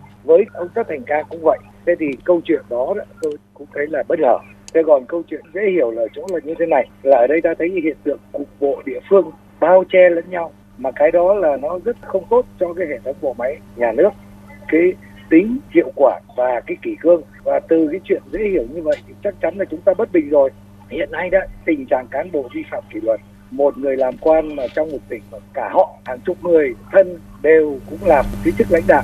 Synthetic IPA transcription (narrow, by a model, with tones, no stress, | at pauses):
vəː˨˦jkə˧wŋ͡mt̪aː˦˥t̪ʰɛ˨˩ŋ̟kaː˧kʊ̰˧˥ŋ͡mvə̰˧˨jʔt̪ʰe˨˦t̪ʰi˨˩kə˧wt͡ɕwḭ˧˨ənɗɔ˨˦zɔ̰˧˦t̪o˧jkʊ̰˧˥ŋ͡mt̪ʰə˨˦jlaː˨˩ɓə˦˥t̚ŋəː˧˩t̪ʰe˧˩ɣɔ˨˩nkə˧wt͡ɕwḭ˧˨ənzḛ˧˥hi˧˩əwlaː˨˩t͡ɕo̰˧˦laː˨˩ɲɨ˧t̪ʰe˨˦na˨˩jlaː˨˩ʔəː˧˩ɗə˧jt̪aː˧t̪ʰə˨˦jhḭ˧˨ənt̪ɨ̰˧˨əŋkʊ˨˩k͡p̚ɓo̰˧˨ɗḭ˧˨əfɨ˧əŋ | ɓaː˧wt͡ɕɛ˧lə̰˧˥˦nɲa˧w | maː˨˩kaː˨˦jɗɔ˨˦laː˨˩nɔ˨˦zə˦˥t̚xə˧wŋ͡mt̪o˦˥t̚t͡ɕɔ˧kaː˨˦jhe˧˩t̪ʰə˨˦wŋ͡mɓo̰˧˨ma˨˦jɲaː˨˩nɨ˦˥ək̚ | kaː˨˦j | t̪ï˨˦ŋ̟zḭ˧˨əwkwaː˧˩vaː˨˩kaː˨˦jki˧˩kɨ˧əŋ | vaː˨˩t̪ɨ˨˩kaː˨˦jt͡ɕwḭ˧˨ənzḛ˧˥hi˧˩əwɲɨ˧və̰˧˨jt͡ɕa˦˥k̚t͡ɕa˨˦nlaː˨˩t͡ɕʊ˨˦ŋ͡mt̪aː˧ɓə˦˥t̚ɓï˨˩ŋ̟zo˨˩j | hḭ˧˨ənːa˧jɗa̰ː˧˥t̪ï˨˩ŋ̟t͡ɕaː˨˩ŋkaː˨˦nɓo˧˩vi˧fa̰ː˧˨mki˧˩lwə˨˩t̚ | mo˨˩t̚ŋɨ˨˩əjlaː˨˩mkwaː˧nmaː˨˩t͡ɕɔ˧wŋ͡mmo˨˩t̚t̪ï˧˩ŋ̟˨˩kaː˧˩hɔ̰˧˨haː˨˩ŋt͡ɕʊ˨˧˩p̚ŋɨ˨˩əjt̪ʰə˧n | ɗe˨˩wkʊ̰˧˥ŋ͡mlaː˨˩m˨˩t̪̚ʰi˨˦t͡ɕɨ˦˥k̚la̰˧˥ŋ̟ɗa̰ː˧˨wʔ